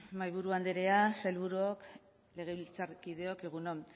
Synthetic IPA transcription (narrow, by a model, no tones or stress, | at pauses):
majβuɾuand̪eɾe̞asajlβuɾuok | le̞ɣ̞e̞βilt͡saɾkið̞e̞okeɣ̞unon